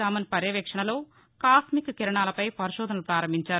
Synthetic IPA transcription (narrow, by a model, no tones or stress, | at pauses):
aːmɐnipɐɾjɐʋɛːkʂɐɳɐlo̞ː | kaːsmikkiɾɐɳaːlɐpɐjpɐɾiʃɔːd̪ʱɐnɐlupɾaːɾɐmbiɲt͡ʃaːɾu